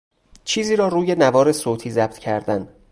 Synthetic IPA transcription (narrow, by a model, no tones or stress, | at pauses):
t͡ʃʰiːziːɾɒːɾuːje̞nævɒːɾe̞soːt̪ʰiːzæb̥̚t̪ʰcʰæɾd̪æn